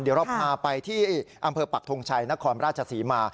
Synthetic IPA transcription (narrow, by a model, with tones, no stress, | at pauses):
ndi˨˩˦ɾɔ˦˥˩p̚maː˧pa˧jt̪ʰiː˥˩ʔa˧mpʰɤː˧pa˨˩t̪ʰo˧ŋt͡ɕʰa˧jna˦˥kʰɔː˧nɾaː˥˩t̚t͡ɕʰa˧siː˩˦maː˧